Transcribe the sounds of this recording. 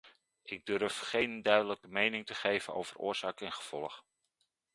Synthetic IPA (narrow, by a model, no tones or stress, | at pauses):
ʔɪɡ̚dɵɹfχejndœɥdələkəmejnɪŋtəχejvəno̰wv̥ərʊ̰ːɹz̥aːkɛnχəv̥ɔlˠəχ